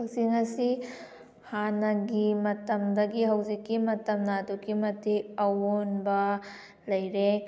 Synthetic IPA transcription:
bak̚sinɐsi | hanɐɡimɐtɐmdɐɡiɦɐwzikːimɐtɐmnadukːimɐtʰejɐwonbɐ | lɐjɾe

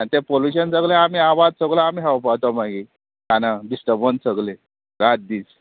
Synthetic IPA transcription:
anit̪epoljuɕənsəɡlẽam̤iːaʋad̪̚səɡlaam̤iɦawpat̪ɔmaɡi | kanaɖisʈəɾbənsəɡle | ɾat̪̚d̪iːt͡s

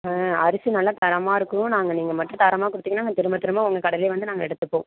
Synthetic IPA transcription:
ɐɾɪsɯnɐlːat̪ɐɾɐmaːɪɾɯkːɯnʊ̃naːŋɡɐniːŋɡɐmɐʈːrɯ̃t̪ɐɾɐmaːkʊɽɯt̪ːiːŋːɐnaːŋɡɐt̪ɪɾɯmɐt̪ːɪɾɯmãʊŋɡɐkɐɽɐlɪjʋɐnd̪ɯnaːŋɡɐɛɽɯt̪ːɯpːõ̰ː

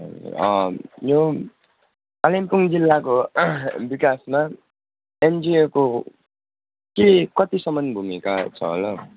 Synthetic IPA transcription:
ʌ̰ṵɾʌ̰jo | kalimpuŋd͡zilːakobikasma | end͡zioko | kekʌt̪isʌmʌnbʱumikat͡sʰʌ̰ɦo̰lʌ

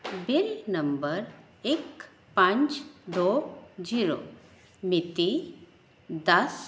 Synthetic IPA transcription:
biɾnəmbəɾ | ek | pãɲt͡ɕd̪od͡ʑiɾo̰ | mit̪i | d̪əs

